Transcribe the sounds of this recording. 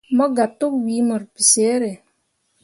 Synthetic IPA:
mɔ˦ɡa˨tːu˦k̚wi˨˦mɔ˨ɾpi˨se˨˦ɾe˨

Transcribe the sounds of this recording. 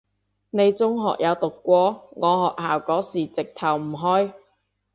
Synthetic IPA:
ne˨˧jt͡sʊ˥ŋɦɔː˨k̚jʔɐ˨˧wt̪ʊ˨kːʷɔː˧˥ŋɔː˨˧hɔː˨k̚haː˨˩wkɔː˨˥siː˨˩t͡sɪ˨k̚t̪ʰɐ˨˩wm̩˨˩ɦɔː˥j

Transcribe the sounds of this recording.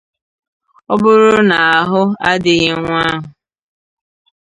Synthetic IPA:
ʊ˦bʊ˦ɾʊ˦na˨a˨ɦʊ˦a˦dɪ˨ɣɪ˦ŋʷa˦ɦʊ˨

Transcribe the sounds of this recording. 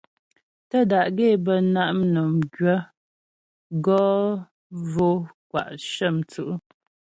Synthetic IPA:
tə˦˨da˨ʔɡe˦˨bə˨na˦ʔm˦nɔ˨mɡɥə˦ | ɡɔ˦ | vo˦kwa̰˨ʔʃə˦˨mt͡sʉ˦˨ʔu˦

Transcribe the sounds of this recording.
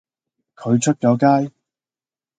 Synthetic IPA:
kʰɵ˨˧ɥt͡ʃʰɵ˥t̚t͡ʃɔː˨˧˥kaː˥j

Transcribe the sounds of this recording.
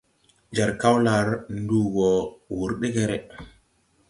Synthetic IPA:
d͡ʒa˨ɾka˦wla˨ɾndu˦ɡɔ˨wu˨ɾɗe˦ɡe˦ɾɛ˨

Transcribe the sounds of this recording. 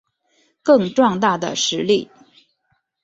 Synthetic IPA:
kɤ˥˧ŋʈ͡ʂwɑ˥˧ŋt̪a˥˩d̪ə̰˩ʂɻ̩˧˥li˥˩

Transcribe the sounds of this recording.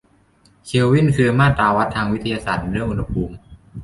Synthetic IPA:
kʰi˧əwːi˥˩nkʰɯ˧ɐmaː˥˩t̪aː˧wa˦˥t̪ʰːaː˧ŋwi˦˥t̪ʰa˧jaː˧saː˨˩t̪̚ɾɯ˥˩əŋʔu˧nha˧pʰuː˧m

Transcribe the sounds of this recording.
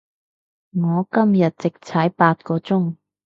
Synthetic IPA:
ŋɔː˨˧kɐ˥mjɐ˨t̚t͡sɪ˨k̚t͡sʰɐ˨˥jpaː˧t̚kɔː˧t͡sʊ˥ŋ

